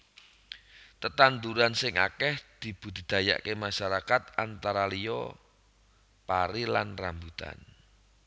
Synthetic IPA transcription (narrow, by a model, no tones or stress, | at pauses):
t̪ət̪ant̪uɾansɪŋa̰kɛhd̪̥i̤b̥ṳd̪̥i̤d̪̥a̤ja̰ʔkemaʃaɾakat̪̚ant̪aɾalijɔ | paɾila̰nrambut̪a̰n